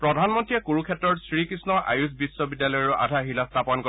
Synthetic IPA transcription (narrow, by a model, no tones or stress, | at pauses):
pɹɔdʱanmɔntɹiɛkuɹukʰɛtɹɔɹsɹikɹisnɔʔa̰jusbisːɔbidːalɔjɔɹuʔa̰dʱaɦilast̪ʰapɔnkɔ